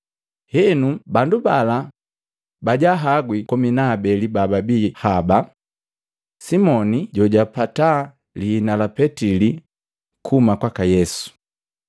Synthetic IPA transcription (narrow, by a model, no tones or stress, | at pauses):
hɛnubandubala | baɟaɦaɡwikɔminabɛlibababihaba | simɔniɟɔɟapata | liːnalapɛtili | kʰumakwakajɛsu̥